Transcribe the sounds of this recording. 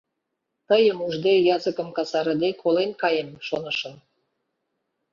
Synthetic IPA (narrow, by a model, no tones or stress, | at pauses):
t̪əjəmuʒd̪ejɑzəkə̆mkɑsɑɾə̆d̪ekʰolenkɑjemʃonəʃə̆m